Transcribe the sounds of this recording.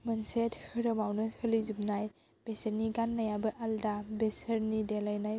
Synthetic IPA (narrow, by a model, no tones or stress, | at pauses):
mɯnsethɯɾɐmawnɯɯlizup̚naj | b̥esəɾniɡanːajabɯʔaldabesəɾnidelajnaj